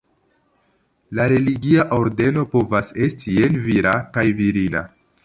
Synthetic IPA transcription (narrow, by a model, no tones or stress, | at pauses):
laɾe̞liɡiaʔo̞ɾde̞no̞po̞vase̞stʰie̞nviɾakajviɾina̰